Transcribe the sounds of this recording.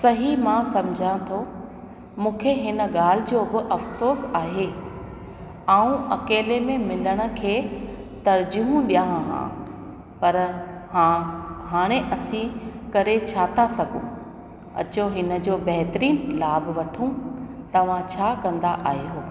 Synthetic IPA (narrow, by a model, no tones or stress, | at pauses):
sɐɦimãsɐ̃md͡ʑʱãt̪ʰo | mũːkʰeɦɪnə̆ɠaːl̤ɪd͡ʑoːɡoʔɐfsoːsaːɦe | aːũʔɐkeːlemẽmɪləɽ̃ʊ̆kʰeːt̪ɐɾd͡ʑʊɦũɗijãɦã̰ː | pɐɾaɦaːɽ̃eʔɐsĩkɐɾet͡ɕʰaːt̪asɐɡʱṵ̃ | ɐ̰t͡ɕoɦɪnə̆d͡ʑoːbɐɦɪt̪ɾiːnlaːbʋɐʈʰũt̪ɐʋ̤ãt͡ɕʰaːkɐ̃nd̪aʔa̰ːɦjoː